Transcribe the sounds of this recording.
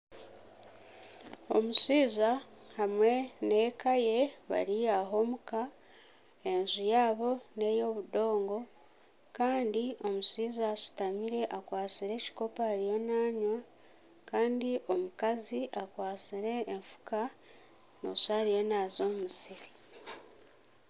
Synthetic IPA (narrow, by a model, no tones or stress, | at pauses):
o̞̰musiːzahamwe̞ne̞kaje̞βa̰ɾijaɦo̞ːmuka | e̞nzujaːβo̞ne̞ːjoβudo̞ːŋɡo̞ | kaːndio̞musiːzaːsi̥tamiɾe̞ʔakwaːt͡siɾe̞ci̥ko̞paːɾijo̞naːɲwa | kaːndiʔo̞mukaziʔakwaːt͡siɾe̞ːɱfu̥ka | musaːɾijo̞nazo̞ːmusiɾi